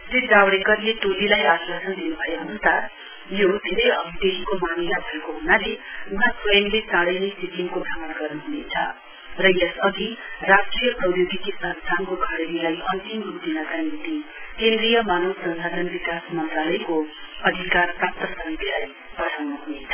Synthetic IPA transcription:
sid͡zawɽekʌrlet̪od̪ilajaswʌsʌnd̪inubʱʌjeɦʌnusar | jod̪ʱeɾʌjʌbʱid̪eɦikomanilabʱʌekoɦunaleɡʱʌtpʰʌemlesaɽʌjnʌjsikimkobʱaŋʌnɡʌrnuɦunet͡sʰʌ̰ | rʌjʌsʌɡirasʈrijʌprʌwjoɡik̪isʌnst̪ʰankokʰaɽedilajʌnt̪imɦut̪inakanit̪ikend̪rijʌmanowsʌnsadʌnbikasmʌnt̪ralʌjko | ʌd̪ʱikarprap̚t̪ʌsʌŋt̪ʰilaj | pʌʈʰawnuɦunet͡sʰʌ

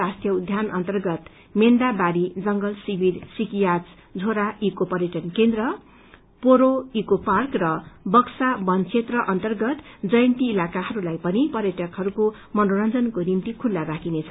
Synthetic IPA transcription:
ast̪jʌud̪ʱjanʔʌnt̪ʌrɡʌt̪ | mend̪abaɾid͡zʌŋɡʌlsibʱiɾsikijat͡s | d͡zʱoɾaikopʌɾjʌʈʌnkend̪rʌ | poɾoikoparkrʌbʌksabʌnt͡sʰet̪rʌʔʌnt̪ʌrɡʌt̪d͡zʌjnt̪iːlakaɦʌɾulajpʌnipʌrjʌʈʰʌkɦʌɾuko | mʌnoɾʌnd͡zʌnkonimt̪ikʰulːaɾakʰinet͡sʰʌ

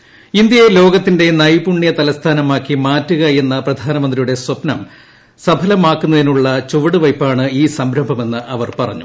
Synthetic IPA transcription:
ind̪jɐjelo̞ːɡɐt̪ːinde̞nɐjbuɳːijɐt̪ɐlɐst̪ʰaːnɐmaːkːimaːtːuɣɐe̞nːɐprɐd̪ʱaːnɐmɐnd̪rɾijuɽe̞swɐpnɐm | sɐbʱɐlɐmaːkːunːɐðinuɭːɐt͡ɕuʋɐɽɨʋɐjpːaːɳɨiːsɐmbɾɐmbʱɐme̞nːɨʔɐʋɐrpɐrɐ̰ɲːu

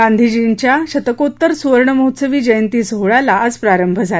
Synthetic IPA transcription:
ɡand̪ʱid͡ʑiɳt͡ɕjaɕət̪əkot̪ːəɾsuʋəɾɳəməɦut̪səʋiːd͡ʑəjənt̪iːsəɦɭalaəd͡zpɾaɾəmbʱəd͡zʱa

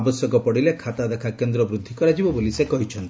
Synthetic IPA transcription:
bɔsjɔkɔpɔɽilekʰat̪ad̪ekʰakend̪ɾɔbɾud̪ʱːikɔɾad͡ʒibɔbolisekɔɦit͡ʃʰɔnt̪i̥

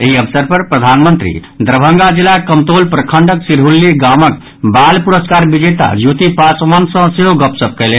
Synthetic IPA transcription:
eɦiəbsəɾpəɾpɾəd̪ʱanmənt̪ɾḭ | d̪ɾəbʱə̃ŋɡad͡ʒilakəmt̪olpɾəkʰəɳɖəksiɾɦulːiɡamək | balpuɾəskaɾbid͡ʒeʈ̪a̰jut̪ipasmənsə̃seɦoɡəpsəb̚kəɪle

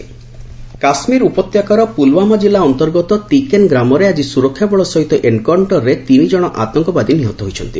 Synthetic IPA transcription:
kasmiɾupɔt̪jakaɾɔpulwamad͡ʒilːaɔnt̪ɔɾɡɔt̪ɔt̪ikenɡɾamɔɾead͡ʒisuɾɔkʰːjabɔɭɔsɔɦit̪ɔʔeɳɖkaɳʈɔɾːet̪inid͡ʒɔɽ̃ɔʔa̰t̪ɔŋkɔbad̪iniɦɔt̪ɔɦojt͡ʃʰɔnt̪i

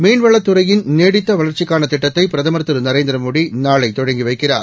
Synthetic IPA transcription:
meːnʋɐɭːɐt̪ːɯɾɐjɪnneːɽɪt̪ːɐʋɐɭɐɾt͡ʃːɪkːaːnɐt̪ːɪʈːɐt̪ːɐɪpɪɾɐðɐmɐɾt̪ːɯɾɯnɐɾeːnd̪ɪɾɐmoːɽinaːɭɐɪt̪ːɔɻɐŋɡiʋɐɪkːɪra̰ːɾ

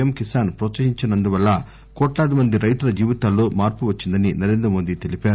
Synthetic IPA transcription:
ɐmkisaːnpɾoːt͡ʃːɐʃiɲt͡ʃinɐnd̪uʋɐlːɐ | kɔːʈlaːd̪imɐnd̪iɾɐjt̪ulɐd͡ʒiːʋit̪aːlːoːmaːɾpuʋɐt͡ʃːind̪ɐninɐɾe̞ːnd̪ɾɐmo̞ːd̪it̪e̞lipaːɾu

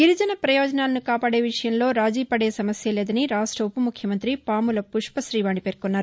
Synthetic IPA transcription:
ɡiɾud͡ʒɐnɐpɾɐjoːd͡ʒɐnaːlɐnikaːpaːɽe̞ːʋiʂɐjɐmlo̞ːɾaːd͡ʒiːpɐɽe̞ːsɐmɐsjɐle̞ːd̪ɐniɾaːsʈɐupɐmukʰjɐmɐnt̪ɾipaːmulɐpuʂpɐsɾiːʋaːɳipe̞ːɾkunːaːɾu

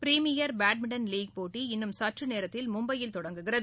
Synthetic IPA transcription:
pɾiːmɪjɐɾbaːʈ̚mɪɖɐnliːɡ̚poːʈːiɪnːɯmsɐʈrɯneːɾɐt̪ːɪlmʊmbɐjɪlt̪ɔɽɐŋɡɯɣɪɾɐ

